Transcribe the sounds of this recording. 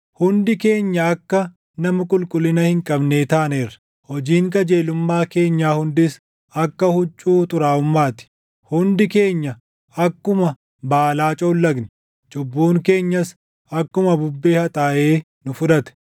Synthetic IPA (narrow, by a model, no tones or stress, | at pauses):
hʊnd̪ɪke̞ːɲːɐːkːɐ | nɐmɐkʼʊlkʼʊlːɪnɐhɪŋkʼɐbneːt̪aːneːrɐ̥ | hɔd͡ʒiːŋkɐd͡ʒeːlʊmːaːke̞ːɲːaːhʊnd̪ɪs | ɐkːɐhʊt͡ʃʼːuːt̪ʼʊɾaːʊmːaːt̪ɪ̥ | hʊnd̪ɪke̞ːɲːɐ | ɐkːʊmɐ | baːlaːt͡ʃʼoːlːɐɡnɪ | t͡ʃʼʊbːuːŋke̞ːɲːɐs | ɐkːʊmɐbʊbːeːhɐt̪ʼaːʔeː | nʊfʊᶑ̪ɐt̪ɛ̥